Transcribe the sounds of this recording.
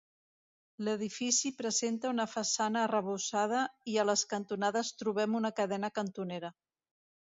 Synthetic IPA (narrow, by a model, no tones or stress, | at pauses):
ləð̞ifisipɾəzent̪əunəfəsanəːrəβusað̞əiələskənt̪unaðəst̪ɾuβ̞ɛmunəkəðɛnəkənt̪uneɾə